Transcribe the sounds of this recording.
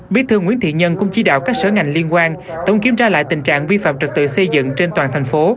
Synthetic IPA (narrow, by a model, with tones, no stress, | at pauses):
ɓi˨˦˥t̪ʰɨ˧əŋwḭ˧˥ənt̪ʰḭ˧˨ɲə˧nkʊ̰˧˥ŋ͡mt͡ɕi˧˦ɗa̰ː˧˨wkaː˦˥k̚səː˧˦ŋa˨˩jŋ̟li˧ənkwaː˧n | t̪ə˨˦wŋ͡mki˧˦əmzaː˧la̰ː˧˨jt̪ï˨˩ŋ̟t͡ɕa̰ː˧˨ŋvi˧fa̰ː˧˨mt͡ɕɨ˨˩t̚t̪ɨ̰˧˨sə˧jzɨ̰˧˨ŋt͡ɕe˧nt̪waː˨˩nt̪ʰa˨˩jŋ̟fo˨˦